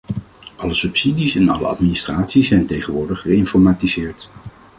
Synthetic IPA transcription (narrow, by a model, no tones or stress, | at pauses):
ʔɑləsɵpsidisɛnɑ̰lə̰ɑ̰tministraːtsisɛjntejχənʋʊːɹdəχəɪnfɔɹmaːtizɪːɹt